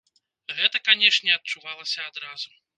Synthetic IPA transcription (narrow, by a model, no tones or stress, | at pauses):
ɣɛt̪ɐkanʲɛʂnʲɛɐt̪̚t͡ʂuvalˠɐsʲɐad̪ɾazu